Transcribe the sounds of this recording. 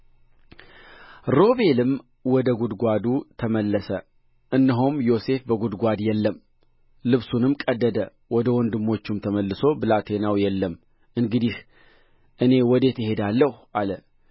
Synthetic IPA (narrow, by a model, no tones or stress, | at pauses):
ɾo̞be̞lɨm | wɔd̪əɡud̪ɡʷad̪ut̪ʰəməlːəsə | ʔɨnːɨɦumjo̞se̞fbəɡud̪ɡʷad̪jɛlːəm | lɨβsunɨmkʼəd̪ːəd̪ə | wɔd̪əwɔnd̪ɨmːo̞t͡ʃːumt̪ʰəməlːɨso̞bɨlat̪ʰe̞nawjɛlːəm | ʔɨŋɡɨd̪ih | ʔɨne̞wɔd̪e̞t̪ɪhe̞d̪alːəhʔalə